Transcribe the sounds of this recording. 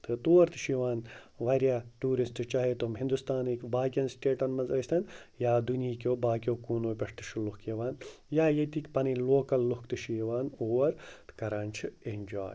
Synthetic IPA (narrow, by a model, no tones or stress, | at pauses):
t̪ʰɨt̪uːɐɾt̪ʰɨ̥ʃiːʋaːnʋɐɾʲjaːʈuːɾisʈɨt͡ʃaːɦit̪umɦĩnd̪ust̪aːniːkbaːkʲiɐnsʈʲeːʈɐnmɐnzɐːst̪ʰɐnjaːd̪uniːkʲoːbaːkʲjoːkuːnoːpʲɐʂt̪ɨ̥ʃʰilukjeʋaːnjaːjet̪iːkʲpɐniloːkɐlːuhkt̪ɨʃiʋaːnoːɾt̪kɐɾaːnt͡ʃʰɨenʲd͡ʒa̰ːj